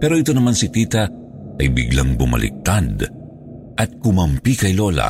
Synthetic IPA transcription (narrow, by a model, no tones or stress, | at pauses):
pɛːɾo̞ʔɪt̪o̞nɐmansit̪iːt̪ɐ | ʔɐjbɪ̰ɡlaŋbʊmɐ̰lʔɪ̰k̚t̪ad̪ | ʔɐt̪̚kʊmɐmpikɐjlo̞lɐ̰